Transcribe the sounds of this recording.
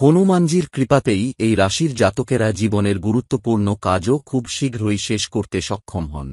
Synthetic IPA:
honumand͡ʑiɾkɾipat̪ejejɾaʃiɾd͡ʑat̪okeɾad͡ʑiboneɾɡuɾut̪ːopuɾnokad͡ʑokʰubʃiɡʱɾojʃeʃkoɾt̪eʃɔkʰːomɦɔ̰n

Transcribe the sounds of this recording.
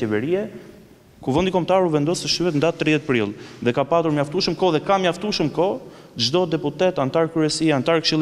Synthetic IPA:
ɛvɛɾiɛ | kuvɛnd̪ikɔmt̪aɾuvɛnd̪ɔsɛʃyɛt̪nd̪at̪ːɾiðɛt̪̚pɾḭlˠðɛkapat̪uɾmjaft̪uʃəmkɔðɛkamjaft̪uʃəmkɔ | d͡ʒd̪ɔd̪ɛput̪ɛt̪ant̪aɾkɾyɛsiant̪aɾkʃilˠ

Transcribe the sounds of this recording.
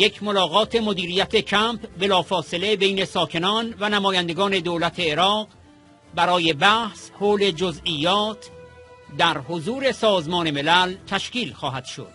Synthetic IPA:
je̞cʰmo̞lɒːɣɒːt̪ʰe̞mod̪iːɾiːjæt̪ʰecʰæmpbe̞lɒːfɒːse̞le̞be̞jne̞sɒːkʰe̞nɒːnvænæmɒːjænd̪e̞ɡɒːne̞d̪oːlæt̪ʰe̞ːɾɒːɢ | bæɾɒːje̞bæhshoːle̞d͡ʒozijːɒːt̪ʰd̪æɾhozuːɾe̞sɒːzmɒːne̞me̞lælt̪ʰæʃciːlxɒːɦæd̪̥ʃo̰d̪̥

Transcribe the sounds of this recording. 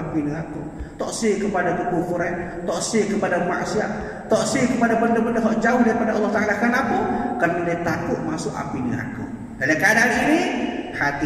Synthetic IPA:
apinəak̪u | t̪ɔʔseʔkəpadat̪ukufuɾɛn | t̪ɔʔseʔkəpadama̰ʔsia̰ʔ | t̪ɔʔsekəpadabəndəbəndəɦɔʔd͡ʒaʊhdaɾipadaɔlˠːɔht̪aʔalakarnapukərnadiat̪akʊʔmasʊʔa̰pinəa̰k̪ṵ | dalakadaŋinihat̪i

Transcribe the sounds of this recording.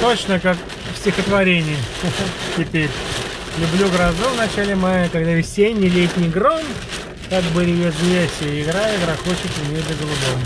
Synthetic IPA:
t̪ot͡ɕnəkak | fsʲtʲɪxət̪vɐɾʲenʲɪjətʲɪpʲeɾʲ | lʲʊblʲuɡɾɐzuvnɐt͡ɕælʲɪmajəkɐɡd̪avʲɪsʲenʲːɪlʲet̪ʲnʲɪjɡɾom | kakbɨɾʲɪjezjʲesʲɪɪɡɾajəɡɾaxot͡ɕɪkʲɪmʲed̪ʲɪɡəlˠʊbom

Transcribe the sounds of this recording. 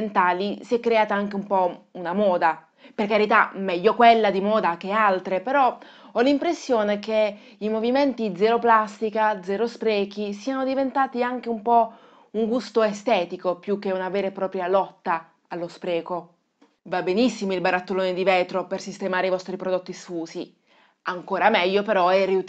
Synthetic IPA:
nt̪aːlisiɛkːɾeaːt̪aaŋk̟eumpɔunamɔːd̪a | perkaɾit̪amɛʎːokwelːad̪imɔːd̪ak̟ealt̪ɾepeɾɔ | ɔlːimpɾesːjoːneke | imoviment̪id̪zɛɾoplast̪ikad̪zɛɾospɾɛːk̟isiːanod̪ivent̪aːt̪iaŋk̟eumpɔ | uŋɡust̪oest̪ɛːt̪ikopjuk̟ːeunavɛːɾepɾɔːpɾjalɔt̪ːa | alːospɾɛːko | vabːenisːimoilbaɾat̪ːoloːned̪ivɛːt̪ɾopersist̪emaːɾeivɔst̪ɾipɾod̪ot̪ːisfuːsi | aŋkoːɾamɛʎːopeɾɔɛriu

